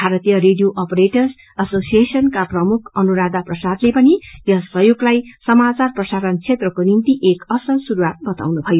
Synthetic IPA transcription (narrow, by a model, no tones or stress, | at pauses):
bʱaɾʌt̪ijʌɾeɖijoʔʌpʌɾeʈʌrs | ʌsosijesʌnkaprʌmukʰʌnuɾad̪aprʌsad̪lepʌnijʌsʌɦjoɡlajsʌmat͡sarprʌsaɾʌnt͡sʰet̪rʌkonint̪iʔekʌsʌlsuɾuwat̪̚bʌt̪a̰wnubʱʌjo